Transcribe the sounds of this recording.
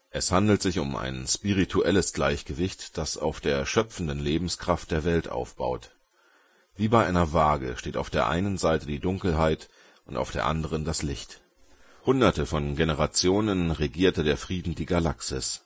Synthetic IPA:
ʔɛshandl̩tz̥ɪçʊma̰ɪnʃpiʁ̞itʰuʔɛləsɡ̥laɪçɡ̥əvɪçtd̥asa̰ʊfd̥eːɐʃœpp͡fn̩dən̩leːbm̩skʁ̥aft̚d̥eːɐvɛltʔa̰ʊfb̥a̰ʊt | viːbaɪʔaɪnɐvaːɡə̰ʃteːta̰ʊfd̥eːɐʔa̰ɪnənzaɪtədiːdʊŋkl̩ɦaɪt | ʔʊntaʊfd̥eːɐʔa̰ndəʁ̞əndaslɪçt | hʊndɐtəfɔnɡenəʁ̞at͡sjoːnənʁeɡiːɐtədeːɐfʁ̥iːdn̩diːɡalaksɪs

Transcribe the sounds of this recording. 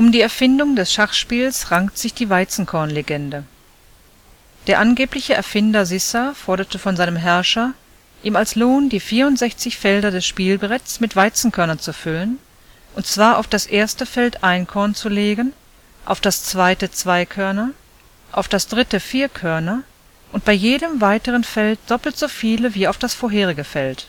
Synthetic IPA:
ʔʊmdiːɛɐfɪndʊŋdɛsʃaχʃpiːlsʁaŋktz̥ɪçd̥iːvaɪt͡sn̩kʰɔɐnleɡɛndə | d̥eːɐʔanɡeːplɪçəʔɛɐfɪndɐzɪsafɔɐɾɐtəfɔnzaɪnəmɦɛɐʃɐ | ʔiːmalsloːndiːfiːɐʊntz̥ɛçt͡sɪçfɛldɐdɛsʃpiːlbʁɛtsmɪtv̥aɪt͡sn̩kʰœɐnɐt͡sufʏlən | ʔʊntt͡sv̥aːɐʔa̰ʊfd̥asʔeːɐstəfɛltʔaɪnkʰɔɐnt͡suleːɡən | ʔa̰ʊfd̥ast͡sv̥aɪtət͡sv̥aɪkʰœɐnɐ | ʔaʊfd̥asd̥ʁɪtəfiːɐkʰœɐnɐ | ʔʊnt̚b̥aɪjeːdəmvaɪtəʁənfɛlt̚d̥ɔpl̩tz̥oːfiːləviːaʊfd̥asfoːɐɦeːʁɪɡəfɛlt

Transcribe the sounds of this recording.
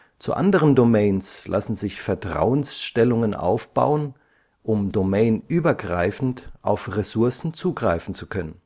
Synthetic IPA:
t͡sṵʔa̰ndəʁəndomɛɪnslʔa̰sn̩zɪçfɛɐtʁ̥a̰ʊənsʃtɛlʊŋənʔa̰ʊfb̥a̰ʊən | ʔʊmdomɛɪnʔyːbɐɡʁa̰ɪfn̩tʔa̰ʊfʁesʊɐsn̩t͡suːɡʁaɪfn̩t͡sukʰœnən

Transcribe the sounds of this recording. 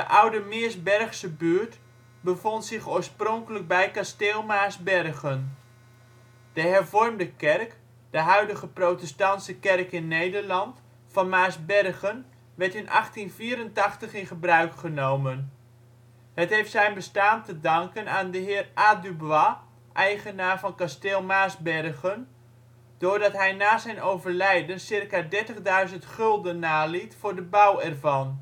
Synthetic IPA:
d̥əʔawdəmɪəsbɛrχsəbyəɹt | bəvontsɪχoːɹsproŋkələk̚bɛjkasteːlˠmaːsbɛrɣən | d̥əɦɛrvɔrmdəkɛrk | d̥əɦœɥdəɣəprowtɛstɑntsəkɛrkɪnːejdəɹlɑnt | fɑnmaːsbɛrɣən | ʋɛɹtɪnʔɑχtinviːəɾəntɑχtəχɪnχəbrœɥkχənowmən | ɦətɦejftsɛjnbəstaːntədɑŋkənaːndəɦɪːrʔadybʋa | ʔɛjχənaːrvɑnkasteːlˠmaːzbɛrɣən | d̥ʊːrdɑtɦɛjnaːzɛjnowvərlɛjdənsɪrkaːdɛɹtəχdœɥzəntχɵlˠdənːaːlitfʊːɹdəbawɛrvɑn

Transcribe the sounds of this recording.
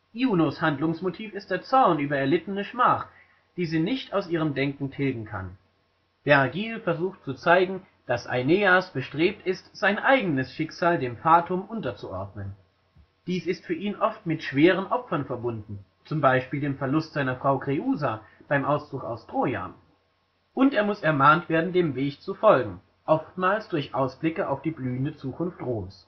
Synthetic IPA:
juːnoshandlʊŋsmotʰiːfɪst̚d̥eːɐt͡sɔɐnʔyːbɐɛɐlɪtənəʃmaːχ | d̥iːziːnɪçtaʊsʔiːʁəmdɛŋkŋ̩tʰɛlɡŋ̩kʰa̰n | b̥ɛʁɡiːlfɛɐzuːxtt͡sut͡saɪɡŋ̩ | d̥asʔa̰ɪneːasb̥əʃtʁ̥eːp̚tɪstz̥aɪnʔaɪɡənəsʃɪkz̥aːldeːmfaːtʰʊmʔʊntɐt͡suʔɔɐdnən | d̥iːsɪstfyːɐʔiːnʔɔftmɪtʃv̥eːʁ̞ənʔɔpfɐnfɛɐbʊndn̩ | t͡sʊmbaɪʃpiːldeːmfɛɐlʊstz̥aɪnɐfʁ̥aʊkʁ̥euːzab̥aɪmʔaʊst͡sʊka̰ʊstʁ̥oːja̰ːn | ʔʊntʔeːɐmʊsɛɐmaːntv̥eːɐdn̩deːmveːçt͡sufɔlɡŋ̩ | ʔɔftmaːlsd̥ʊɐçʔaʊsb̥lɪkəa̰ʊfd̥iːblyːəndət͡suːkʰʊnftʁoːms

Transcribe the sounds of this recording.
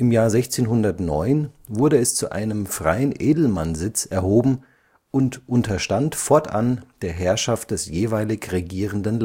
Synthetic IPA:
ʔɪmjaːɐzɛçt͡seːnɦʊndɐtnɔ̰ʏnvʊɐɾəɛst͡suʔa̰ɪnəmfʁ̥a̰ɪənʔeːdl̩manzɪt͡sɛɐhoːbm̩ | ʔʊntʔʊntʰɐʃtantfɔɐtʔa̰nd̥eːɐɦɛɐʃaft̚d̥ɛsjeːvaɪlɪçʁeɡiːʁ̞əndənl

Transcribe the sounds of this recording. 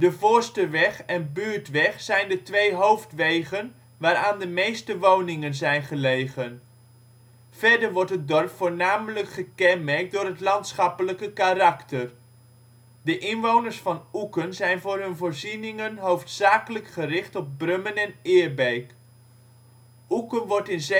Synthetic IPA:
dəvʊːɹstəʋɛχɛnbyːɹtʋɛχsɛjndətʋejɦowftʋejχən | ʋaːɾaːndəmejstəʋownɪŋənzɛjnχəlejχən | fɛɹdəɹʋɔɹtɦət̚dɔrpfʊːɹnaːmələkχəkɛnmɛɹk̚dʊːɾɦətlɑntsχɑpələkəkarɑktər | dəʔɪnʋownəɹsfɑnukənzɛjnvʊːɹɦɵnvʊːɹzinɪŋənɦowftsaːkələkχərɪχtɔb̚brɵmənɛnɪːɹbejk | ʔukənʋɔɹtɪnz

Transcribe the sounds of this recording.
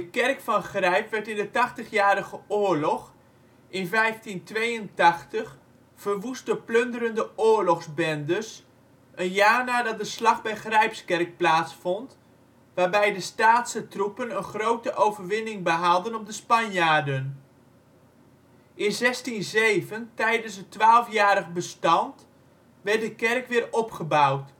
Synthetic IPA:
dəkɛrkfɑnχrɛjpʋɛɹtɪndətɑχtəχjaːɾəχəʊːɹlɔχ | ʔɪnvɛjftintʋejəntɑχtəχ | fərʋustəpløndərəndəʊːɹlɔχzbɛndəs | ʔənjaːɹnaːdɑt̚dəslɑχbɛjχrɛjpskɛrk̚plaːtsfɔnt | ʋaːɹbɛjdəstaːtsətrupənənχrowtəʔowvərʋɪnɪŋbəɦalˠdənɔp̚dəspɑnjaːdən | ʔɪnzɛstinzejvəntɛjdənsətʋaːlˠfjaːɾəχbəstɑnt | ʋɛrt̚dəkɛrkʋɪːɹɔpχəbawt

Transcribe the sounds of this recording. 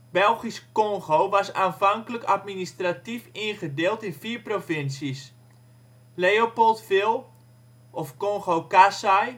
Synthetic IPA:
bɛlˠχiskɔŋχowʋasaːnfaŋkələkatministratifinχədeːlˠtɪnfiːɹprofɪnsəs | leopolˠtfɪlˠ | ʔɔfkɔŋχokasaj

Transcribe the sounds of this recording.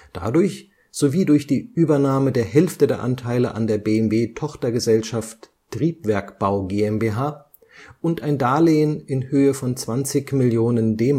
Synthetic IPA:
d̥a̰dʊɐç | z̥oviːdʊɐçd̥iːʔyːbɐnaːmədeːɐɦɛlftədeːɐʔantʰaɪləʔa̰ndeːɐbeːɛmveːtʰɔχtɐɡəzɛlʃaft | tʁ̥iːpv̥ɛɐkb̥aʊɡeːɛmbeːɦaː | ʔʊntaɪndaːleːənɪnhøːəfɔnt͡sv̥ant͡sɪçmɪljoːnəndeːm

